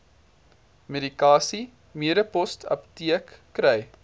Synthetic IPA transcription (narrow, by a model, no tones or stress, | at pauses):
meɾikɑːsi | miəɾəpɔstʰɐ̰ptiəkːɾɛj